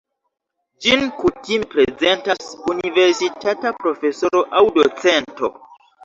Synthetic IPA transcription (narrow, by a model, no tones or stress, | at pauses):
d͡ʒinkutimepɾe̞ze̞ntasunive̞ɾsitatapɾo̞fe̞so̞ɾo̞ʔawdo̞t͡sento̞̰